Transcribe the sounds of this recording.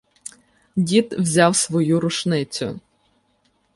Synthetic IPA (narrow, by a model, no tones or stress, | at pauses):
dʲit̪wzʲɑwsʋɔjuɾʊʃnɪt͡sʲʊ̰